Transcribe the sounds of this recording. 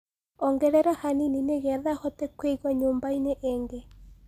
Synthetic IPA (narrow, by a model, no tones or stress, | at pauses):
ɔŋɡɛɾɛɾahaninineɣɛðahɔtɛkweiɣwaɲoːmbaineʔeːŋɡe